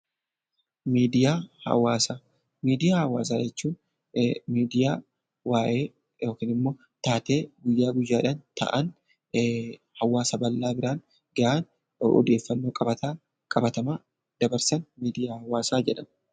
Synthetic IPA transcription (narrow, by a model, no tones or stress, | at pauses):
miːd̪ɪjaːhɐ̰waːsaː | miːd̪ɪjaːhɐwa̰ːsaːd͡ʒɛt͡ʃːuːn | miːd̪ɪjaː | waːʔeː | jo̞ːkiːnɪmːo̞ː | t̪aːt̪e̞ːɡʊjːaːɡʊjːaːᶑɐnt̪ɐ̰ʔɐn | hɐwːaːsɐbɐlːaːbɪɾaːn | ɡɐʔaːn | ɔ̰d̪e̞ːfːɐnːo̞ːkʼɐbɐt̪a | kʼɐbɐt̪ɐmaː | d̪̥ɐbɐɾsɐnmiːd̪ɪjaːhɐwaːsaːd͡ʒɛᶑɐn